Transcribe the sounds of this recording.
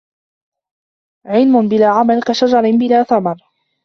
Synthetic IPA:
ʕɪlmʊnbɪlaːʕamalkaʃad͡ʒɑɾˤbɪlaːθamɑɾˤ

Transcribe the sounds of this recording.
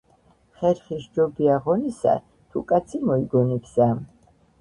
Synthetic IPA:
χɛɾχisd͡ʒɔbiaʁɔnisa̰ | t̪ʰukʼat̪sʰimɔiɡɔnik̪sam

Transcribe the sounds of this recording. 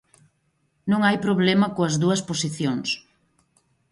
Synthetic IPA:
nõŋajpɾoβlɛmɐkoɐzðuɐsposiθjoŋs

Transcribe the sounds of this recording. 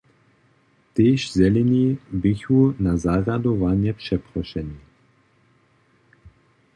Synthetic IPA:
t̪eːʃzɛlɛnibiçunazaɾad̪ovanjɛpʃɛpɾɔʃɛnʲi

